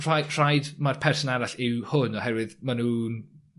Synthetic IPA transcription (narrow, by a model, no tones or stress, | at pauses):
ajr̥ajdmarpʰɛrsɔnaɾaɬɪwhʊnɔhɛvwɪðmanuːn